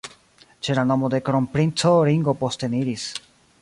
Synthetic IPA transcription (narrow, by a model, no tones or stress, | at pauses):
t͡ʃelanomod̪ekɾompɾint͡soɾiŋɡopost̪eniɾis